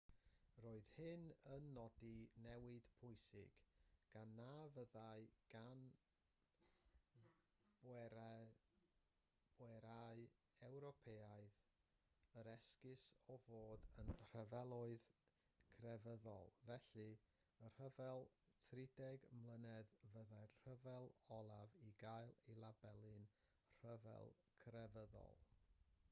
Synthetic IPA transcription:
roːɨð̥hɪnənːɔdinɛwɪd̥pʰʊɨsɪɡ̥ɡ̥anːavəðaɨɡ̥an | bɛ | b̥wɛɾaɨ | ɛwɾɔpʰeaɨð | əɾɛskɪsɔvoːdənr̥əvɛlˠʊɨð | kʰrɛvəðɔ̰lˠvɛɬɨ | ər̥əvɛlˠtʰrɪdɛɡmlˠənɛðvəðajr̥əvɛlˠɔlˠaviɡajlˠilˠabɛlˠɨn | r̥əvɛ̰lˠ | kʰrɛvəðɔ̰lˠ

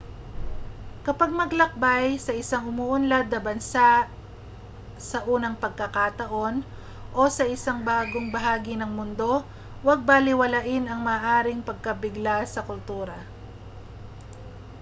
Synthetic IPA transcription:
kɐpaɡ̚mɐɡlɐk̚bajsɐʔɪsaŋʊmuːʔʊnlad̪̚nɐbɐnsa | sɐʔuːnɐŋpɐɡ̚kɐkat̪ɐʔo̞n | ʔo̞sɐʔɪsaŋbaːɡo̞ŋbɐɦaːɡinɐŋmʊnd̪o̞ | wɐɡ̚balɪwɐlaʔɪnɐŋmɐːʔaːɾɪŋpɐɡ̚kɐbɪɡlasɐkʊlt̪uːɾɐ

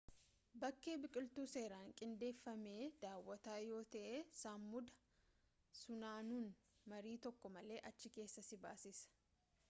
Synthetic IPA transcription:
bɐkːe̞ːbɪkʼɪlt̪uːse̞ːɾaːŋkʼɪnd̪e̞ːfːɐme̞ːd̪aːwːɐt̪aːjo̞ːt̪ɐʔeːsamːʊd̪ɐ | sʊnaːnuːn | mɐɾiːt̪ɔkːɔmɐle̞ːʔɐt͡ʃːɪke̞ːsːɐsɪbaːsɪsɐ̥

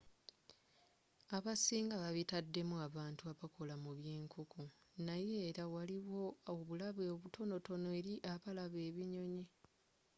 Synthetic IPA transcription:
aβasiːŋɡaβaβitadːe̞muaβaːntuaβakʰo̞lamuβjeːŋkukʰunaje̞ːɾawaliwo̞oβulaβeoːβutʰo̞no̞to̞noeɾiʔaβalaβe̞ːβiɲo̞ɲi

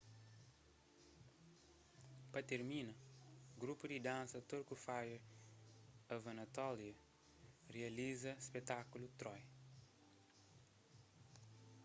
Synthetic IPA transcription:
pɐt̪eɾminɐɡɾupud̪id̪ãnsɐt̪oɾkufajɐ | ɐvɐnɐt̪ɔljɐ | riɐlizɐspet̪akulut̪ɾɔj

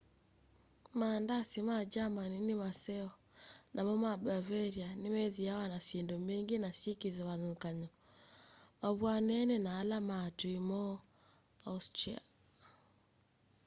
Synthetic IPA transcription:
mandasimad͡ʒamaninimasɛɔ | nʔamɔmabavɛɾianemɛðiawanasendɔmeŋɡinasikiðɛβaðukaɲɔ | maβwanɛnɛnaːlamatuimɔ | austɾia̰

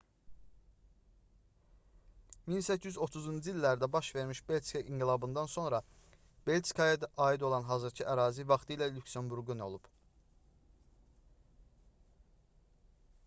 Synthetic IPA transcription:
minsæcʰːijyzo̞t̪ʰuzund͡ʒiilːæɾd̪æbɑʃve̞ɾmiʃbelʲskɑʔiŋɡilˠɑbɯnd̪ɑnso̞nɾɑ | belʲt͡ʃkʰɑjɑd̪ɑʔɑːid̪o̞lˠɑnɦɑːzɯɾcʰiʔæɾɑːzivɑχt̪ʰɯjlælʲucsembuɾɡyno̞̰lˠub̥

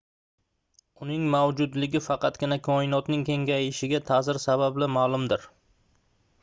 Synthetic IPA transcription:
ʊnɪŋmawd͡ʒʊd̪lɪɡʲɪfɑqʰɑt̪ɡʲɪnakʰɒɪnɒt̪nɪŋkʲʰe̞ŋɡʲajɪʃɪɡʲat̪ʰazɪɾsabablɪmalˠʊmd̪ɪɾ

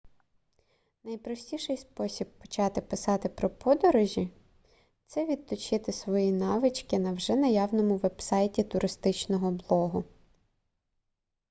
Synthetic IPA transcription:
nɐjpɾɔsʲtʲiʃɪjspɔsʲibːɔ̥t͡ʃɑt̪ɪpɪsɑt̪ɪpɾɔpɔd̪ɔɾɔʒʲi | t̪sɛʋʲid̪̚t̪ɔt͡ʃɪt̪ɪsʋɔjinɑʋɪt͡ʃkɪnɐwʒɛnɐjɑwnɔmʊʋɛb̥sɑjtʲit̪ʊɾʔɪst̪ɪt͡ʃnɔɦɔblˠɔɦʊ

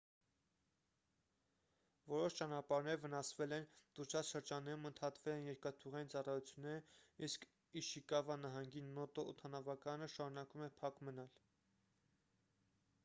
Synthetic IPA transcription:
vɔɾɔʃt͡ʃɑnɑpɑɾnɛɾvənɑsvɛlɛnt̪uɾt͡ʃʰɑt͡sʃəɾd͡ʒɑnːɛɾumənt̪ʰɑt̪vɛlɛnjɛɾkɑt̪ʰuʁɑjint͡sɑrɑjut͡sʰjunːɛɾəisk | iʃikɑvɑnɑɦɑŋɡinːɔt̪ɔɔt̪ʰɑnɑvɑkɑnəʃɑɾunɑkumɛpʰɑkmənɑl

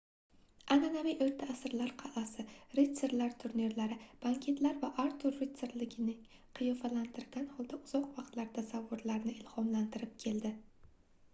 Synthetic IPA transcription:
ananamijʔeɾt̪ʰaːsɾlaɾqʰɑʔasɪɾese̞ɾlaɾt̪ʰʊɾniɾlaɾɪb̥aŋkʲʰe̞t̪laɾvaʔaɾt̪ʰʊɾːet̪seɾlɪɡʲɪnɪŋ | qʰɨjɒfalant̪ʰɪɾɡʲanhɒlˠd̪aʊz̥ɒqvɑqt̪laɾt̪ʰasavːʊɾlaɾnɪɪlˠhɒmlant̪ʰɪɾɪp̚kʲʰe̞ld̪ɪ

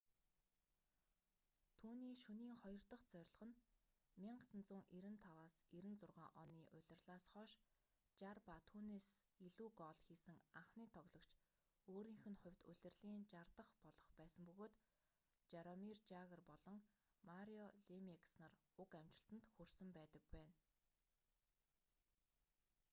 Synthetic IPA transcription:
t̪ʰuːniːʃuniːŋχɔjɞ̆r̥t̪ɞ̆χt͡sœɾʲɮ̆ʁə̆n | mʲiɴɢsə̆nt͡suːŋʔiɾɘ̆nt̪ʰawaːsiɾɘ̆nt͡sʊrʁa̰ːʔɔniːʔʊɮʲɪ̆rɮaːsχɔːʃ | t͡ɕarpat̪ʰuːneːsiɮuːɡɔːɮxiːsɘ̆ŋaɴχniːt̪ʰɔɣɮɞ̆kt͡ɕ | oːɾiːŋxɘ̆nχʊ̟wʲt̪ʊɮ̥ʲɘ̆rɮiːnt͡ɕart̪ə̆χpɔɮɞ̆χpæːsə̆mpɵɣoːt̪ | t͡ɕaɾɔmirt͡ɕaɣə̆rpɔɮɞ̆ŋ | maɾiɔɮimiksnar | ʊkam̥t͡ɕɪ̆ɬt̪ə̆nt̪xursɘ̆mpæːt̪ə̆k̚pæːn

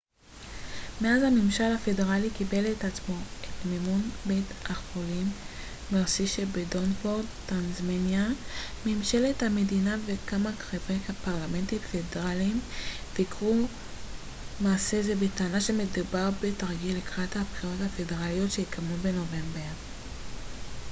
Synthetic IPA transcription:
me̞azhamimʃalhafe̞de̞ʁalikibe̞letat͡smo̞etmimunbejtʔaχolimː | eʁsiʃebedo̞nfo̞ʁdtanzmenjameːmʃe̞lethamedinavekamakʁeveapaʁlame̞ntimfedeʁalim | veikʁu | maːse̞zebetaːnaʃemedubaʁbetaʁɡilekʁathapχiʁo̞thafe̞deʁalijo̞tʃeikʰammube̞no̞ve̞mbeʁ

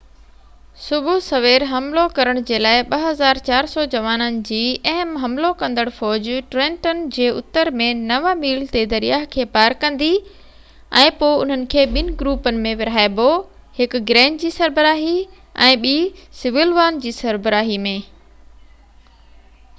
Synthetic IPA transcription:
sʊbʱʊsɐʋeːɾɦɐmlokɐɾəɽ̃d͡ʑeːlaːɪɓɐɦɐzaːɾt͡ɕaːɾsɔːd͡ʑɐʋaːnənɪ̆d͡ʑiːɛɦəmɦɐ̃mlokɐ̃nd̪əɽfɔːd͡ʑʈɾɛ̃ːɳʈənɪ̆d͡ʑeːʊt̪ːəɾmẽnɐʋamiːlt̪ed̪ɐɾijaːɦkʰeːpaːɾkɐ̃nd̪i | ɛ̃ːpoːɪʊn̤ənɪ̆kʰeːɓɪnɪ̆ɡɾuːpənɪ̆mẽʋɪɾ̤aːɪbo | hɪkɡɾɛ̃ːnɖd͡ʑiːsɐɾbəɾaːɦi | ɛ̰̃ːɓiːsɪʋɪlʋaːnd͡ʑiːsɐɾbəɾaːɦimẽː

